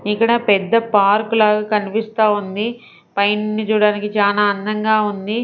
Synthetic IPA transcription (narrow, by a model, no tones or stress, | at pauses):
ikːɐɽɐpɛd̪ːɐpaːɾkulaːɡaːkɐnipist̪aːund̪i | pɐjnnit͡ʃuːɽaːnikit͡ʃaːlaːɐnd̪ɐŋɡaːund̪i